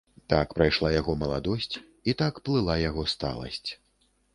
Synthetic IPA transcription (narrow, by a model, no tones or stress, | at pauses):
t̪akpɾajʂlˠajaɣɔmɐlˠad̪ɔsʲt͡sʲ | it̪akplˠɨlˠajaɣɔst̪a̰lˠɐ̰sʲt͡sʲ